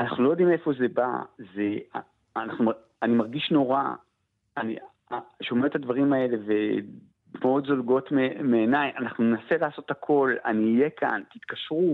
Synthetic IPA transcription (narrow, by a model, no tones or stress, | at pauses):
anaχnulojod̪ime̞fo̞ze̞ba̰zea̰ | anaχnum | animaʁɡiʃno̞ʁa̰ | anḭ | ʃo̞met̪ːad̪vaʁimae̞le̞ve̞ | meo̞d̪zo̞lɡo̞t̪meme̞ːnajanaχnunenase̞laːso̞t̪hakʰo̞la̰niːje̞kʰa̰nt̪it̪kaʃʁu